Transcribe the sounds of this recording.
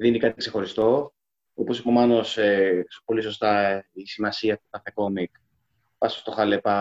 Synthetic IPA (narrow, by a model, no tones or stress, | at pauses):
ðinikɐt̪ikse̞xo̞ɾist̪o̞ | opo̞sipo̞mɐno̞sepo̞liso̞st̪ɐisimɐsiɐt̪okɐθe̞ko̞mik | pɐsost̪o̞xɐlepɐ